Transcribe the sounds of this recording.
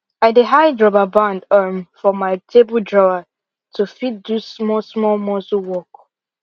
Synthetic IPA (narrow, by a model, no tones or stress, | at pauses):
aɪdeɦaɪdɹɔbabãndəmfɔmaɪtʰebəldɹɔa | tʰufit̚dusmɔsmɔlmɔsuwɔk